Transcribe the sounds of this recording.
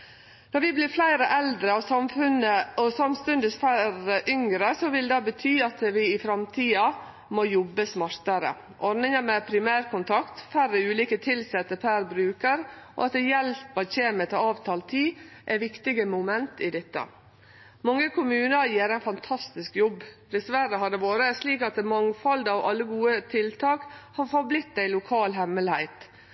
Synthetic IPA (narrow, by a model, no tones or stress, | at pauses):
d̪̥ɔɾʋɪblɪɾflæɪɾəʔɛld̪ɾəɔʋsɑmfʉnəɔsɑmst̪ʉnd̪ɪsfæɾəʔʏŋɾəsɔʋɪld̪ɑːbət̪ʰyːɑt̪ʋɪɪfɾɑmt̪ʰiːɑ | mojɔbːəsmɑɾt̪əɾə̰ | ʔɔɾnɪŋəmɛpʰɾɪmæːɾkʰʊnt̪ʰɑkt̪fæɾəʉːliːkət̪ʰɪlsɛt̪ːəpʰæɾbɾʉːkəɾʔo̰ɑt̪ɛjɛlpɑçeːmət̪ʰɔɑːʋt̪ʰɑːlt̪ʰiː | ʔæʋɪkt̪ɪɡəmʊmɛnt̪ɪd̪ɛt̪ːə̰ | mɑŋːəkʰʊmʉːnəɾjiːɾæɪnfɑnt̪ʰɑst̪ɪskjɔbːd̪ɛsʋæɾəɦɑɖ̪ɛʋoːɾəsliːkɑt̪̚ɛmɑŋfɑld̪ɑʋʔɑ̰lːəɡuːət̪ʰɪlt̪ʰɑːkhɑɾfɔɾblɪt̪̚d̪æɪlʊkʰɑːlɦɛmːəlhæɪt̪